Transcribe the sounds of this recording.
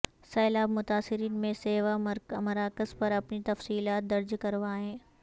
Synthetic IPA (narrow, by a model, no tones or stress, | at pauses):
sɐːlaːbmʊt̪aːsɪɾiːnmẽseːʋamɐɾaːkəzpɐɾɐpnit̪ɐfsiːlaːt̪̚d̪ɐɾd͡ʒkɐɾʋaːɦẽː